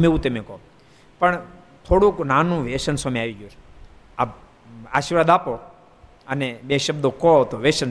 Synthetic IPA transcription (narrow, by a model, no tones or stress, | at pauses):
meũt̪emẽko | pəɳ | t̪ʰoɽũknanũʋeʃənsameaʋiɡjut͡ʃʰu̥ | ap | aːʃiɾʋaːd̪apo | ənebeʃəbd̪okot̪oʋeʃən